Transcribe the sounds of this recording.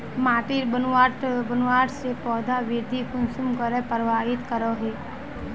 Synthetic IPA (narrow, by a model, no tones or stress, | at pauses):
maːʈiɾbənaːʈbənwaːʈsepɔːd̪ʱaʋiɾd̪ʱikʊnsumkəɾepəɾʋaːɦɪt̪kəɾoɦe